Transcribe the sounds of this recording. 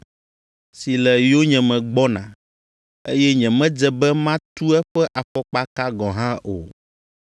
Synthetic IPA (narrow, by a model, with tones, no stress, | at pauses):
si˨lɛ˨jo˦ɲɛ̃˨mɛ̃˨ɡ͡bɔ˦nã̰˨ | ḛ˦jɛ˦ɲɛ̃˨mɛ̃˦d͡ʒɛ˨bɛ˦mã˦t̪u˦ɛ˦ɸɛ˦ʔa˨ɸɔ˦k͡pa˦ka˦ɡɔ̃˨ɦã˦ʔo̰˨